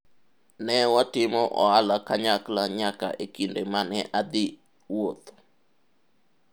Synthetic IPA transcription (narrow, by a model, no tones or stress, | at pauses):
nɛwatɪmɔʔɔ̰alakaɲaklaɲaka̰ʔekindemanɛʔad̪ɪ | wot̪